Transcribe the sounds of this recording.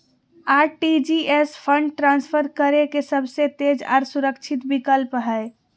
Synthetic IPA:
aɾʈid͡ʒiespʰə̃ɳɖʈɾãnspʰəɾkəɾekesəbʱset̪ed͡ʒa̰ːɾsuɾəkt͡ʃʰit̪bikəlpɦəe

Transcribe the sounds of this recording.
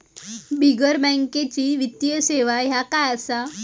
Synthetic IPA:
biɡəɾbə̃ŋket͡ɕiːʋit̪jəseʋaɦjakajəsa

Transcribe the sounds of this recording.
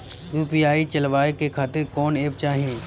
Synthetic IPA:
juːpiːaːit͡ʃɐlʋaːekekʰaːt̪ɪɾkɔːneːp̚t͡ʃaːɦiẽː

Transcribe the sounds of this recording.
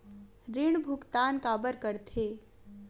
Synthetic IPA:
ɾɪɳ̃bʱʊkt̪aːnkaːbəɾkəɾt̪ʰeː

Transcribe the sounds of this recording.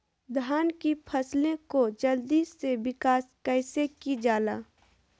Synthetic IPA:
d̪ʱaːnkipʰəslẽkod͡ʒəld̪isebɪkaːskɛɪsekid͡ʒaːlaː

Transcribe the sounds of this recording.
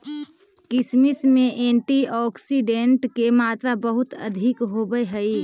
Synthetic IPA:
kismismẽʔeɳʈiɔksiɖeɳʈkemat̪ɾabəɦut̪ə̰d̪ʱikɦobəɦəi

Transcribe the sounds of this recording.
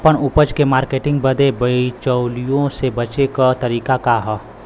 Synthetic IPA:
pəɽʊpəd͡ʒkemaːɾkeːʈɪ̃ŋɡ̚bɐd̪ebɐit͡ʃəʊlijõsebɐt͡ʃekət̪ɐɾiːkakaɦɔ

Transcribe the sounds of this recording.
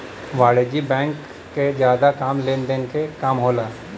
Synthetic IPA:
ʋaːɽeːd͡ʒibɛ̃ːŋkː | ed͡ʒjaːd̪akaːmleːnd̪eːnkekaːmɦoːlaː

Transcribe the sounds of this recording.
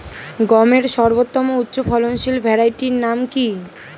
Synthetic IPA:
ɡɔmeɾʃɔɾbot̪ːɔmout̪ːɕofʰɔlonʃilbʱɛɾajʈiɾnamki

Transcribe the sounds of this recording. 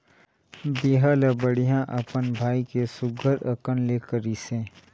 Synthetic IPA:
biɦəlɐbəɽijãʔɐpənbʱaːikesʊɡʱəɾɐkənleːkəɾiːsẽː

